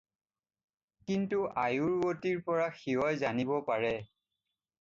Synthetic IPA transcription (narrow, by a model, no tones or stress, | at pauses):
kintuʔajuɹwotiɹpɔɹaxiɦɔjzanibɔpaɹɛ